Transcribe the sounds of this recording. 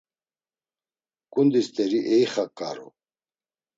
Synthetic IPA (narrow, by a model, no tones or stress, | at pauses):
kund̪ist̪ɛɾiʔejχakːa̰ɾṵ